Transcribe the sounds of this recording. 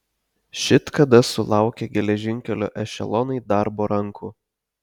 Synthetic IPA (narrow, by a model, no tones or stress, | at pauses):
ʃʲɪt̪kɐd̪ɐsʊlˠɑˑʊkʲeɡʲɛlʲɛʒʲɪŋʲkʲɛlʲo̰ːʔɛʃʲɛ̰lˠɔnɐɪd̪ɑɾboːɾɐŋkʰʊ